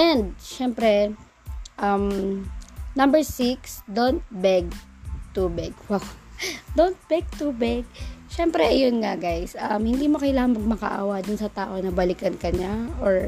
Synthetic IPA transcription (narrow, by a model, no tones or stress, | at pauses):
ʔɛnd̪̚ʃɛmpɾɛ | ʔɐm | nɐmbɛɹsiksd̪ont̪̚bɛɡ̚t̪ubɪɡwɐkd̪ont̪̚bɛɡ̚t̪ubɪɡ̚ʃɛmpɾɛjonŋɐɡajsʔɐmhɪnd̪iːmokɐjlaːŋɐnmɐɡ̚mɐkɐ̰ʔa̰ːwɐd̪ʊnsɐt̪aːʔo̞nɐbɐlɪkɐnkɐɲaʔoɹ